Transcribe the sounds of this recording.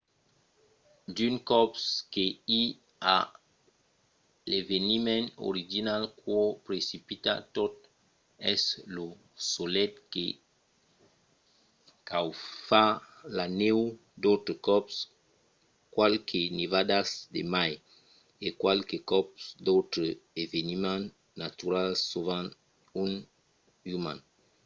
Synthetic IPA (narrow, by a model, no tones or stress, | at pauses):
d̪yŋkɔpskei | a | levenimẽno̰ɾiʒinalkwɔpɾesipit̪a̰t̪ot̪ | ɛslo | solɛt̪̚ke | kawfalanew | d̪owt̪ɾekɔps | kwalkʰenivad̪asd̪ḛmaj | ekwalkekɔpsd̪owt̪ɾeevenimãnː | at̪uɾalsovan | un | umã̰n